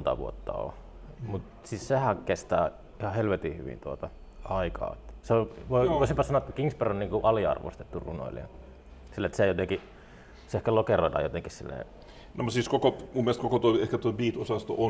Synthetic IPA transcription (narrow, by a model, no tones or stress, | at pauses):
nt̪ɑ̰ʋuot̪ːɑ̰o̰ | mut̪ | sissehækest̪æː | ihɑhelʋet̪ihy̰ʋḭnt̪uot̪ɑ | ʔɑikɑ̰ːet̪ːseoʋoioˑisimpɑsɑnoɑet̪ːækiŋsperonniːŋkuʔɑliɑ̰rʋo̰st̪et̪ːurṵno̰iliɑ̰ | silːet̪sejot̪eŋki | seehkælokeroˑidɑ̰jot̪eŋkissilːḛː | nomusiːˑskokomumːelest̪kokot̪oiehkæt̪oibiːt̪osɑst̪oo